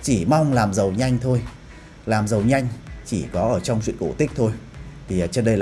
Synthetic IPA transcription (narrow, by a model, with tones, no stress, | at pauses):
t͡ɕi˧˩ma˧wŋ͡mlaː˨˩mzə˨˩wɲa˧jŋ̟t̪ʰo˧j | laː˨˩mzə˨˩wɲa˧jŋ̟t͡ɕi˧˩kɔ˨˦ʔəː˧˩t͡ɕɔ˧wŋ͡mzḭ˧˨ŋʔko˧˩t̪i˦˥k̟̚t̪ʰo˧jt̪ʰi˨˩˨t͡ɕə˧ɗə˧jl